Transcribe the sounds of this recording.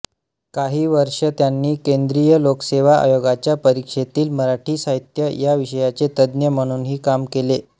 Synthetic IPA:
kaɦiːʋəɾʂət̪janːiːkend̪ɾijəlokseʋaʔa̰joɡat͡ɕjapəɾikʂet̪iːlməɾaʈʰiːsaɦit̪jəjaʋiɕəjat͡set̪əd̪njəm̤əɽ̃uːnɦiːkamkele

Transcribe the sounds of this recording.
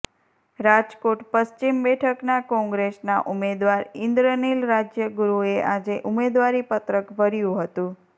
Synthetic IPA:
ɾad͡ʒkoʈpəʃt͡ʃimbɛʈʰəknakɔ̃ŋɡɾesna̰ʔumed̪ʋaɾɪnd̪ɾənilɾad͡ʒjəɡuɾueʔad͡ʒeʔʊmed̪ʋaɾipət̪ɾəkbʱəɾjũɦət̪ũ

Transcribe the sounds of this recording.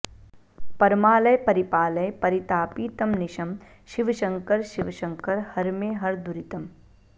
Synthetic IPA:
pɐɾmaːlɐjpɐɾipaːlɐjpɐɾit̪aːpiːt̪ɐmnɪʃɐm | ʃiʋɐʃɐ̃ŋkɐɾʃiʋʃɐ̃ŋkɐɾhɐɾmẽːɦɐɾd̪uɾit̪ɐm

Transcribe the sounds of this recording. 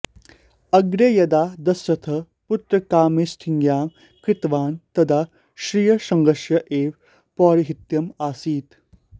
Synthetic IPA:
ɐɡɾejɐd̪aːd̪ɐsɾɐt̪ʰɐ | put̪ɾɐkaːmisʈʰiŋɡjaː | kɾɪt̪ʋaːnt̪ɐd̪a | ʃɾijɐʃɐŋɡɐʃjɐʔeːʋ | pɔːɾiɦit̪jɐmaːsiːt̪

